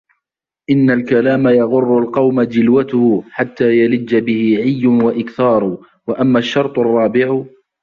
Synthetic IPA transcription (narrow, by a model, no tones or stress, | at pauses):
ʔɪnːalkalaːmajɑɣʊrːʊlqɑwmad͡ʒɪlwat̪ʊhʊħat̪ːaːjalɪd͡ʒːabɪhɪʕɪjːʊnwaʔɪkθɑːɾˤʊ | waʔamːaːʃːɑɾˤt̪ˤɑrˤːɑːbɪʕʊ